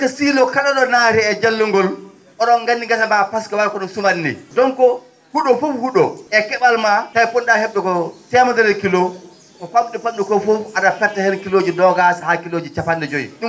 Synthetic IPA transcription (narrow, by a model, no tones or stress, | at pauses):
kasilɔkaɗɔɗɔnaːɾɛɛd͡ʒalːuŋɡɔl | ʔɔɗɔnɡanːiŋɡatabapaskawawkɔɗɔmsumanːḭdɔnkɔ | huɗɔfufhuɗɔɛkɛɓalmatajponɗahɛɓːɛkɔtɛmadɛɾɛkilo | ʔɔkaɓɗɛpamɗukɔfufadafɛɾtahɛɾkiloːd͡ʒidɔɡasahakiloːd͡ʒit͡ʃapandɛd͡ʒojḭɗu